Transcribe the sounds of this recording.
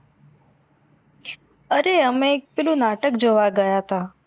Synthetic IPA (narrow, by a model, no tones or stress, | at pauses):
əɾeəmek̚pelũnaʈəkd͡ʒoʋaɡəjat̪a